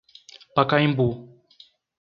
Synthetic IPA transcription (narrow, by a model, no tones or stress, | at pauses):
pakaĩmbu